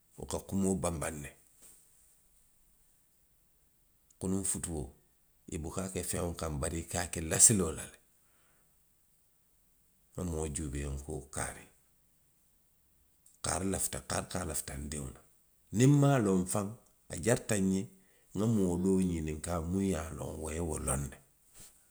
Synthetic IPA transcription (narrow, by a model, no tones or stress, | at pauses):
ṵkakumobambanːe | kunuɱfutuwo | ibukakefeŋoŋkambaɾikakelasilolale | ŋamoːɟubeŋkoːka̰ɾi | ka̰ɾlaftaka̰ɾkalaftandiwna | nimːaːloːɱfaŋ | a̰ɟaɾtaɲe | ŋamodoːɲiniŋkamujalo̰ŋwoewolonːe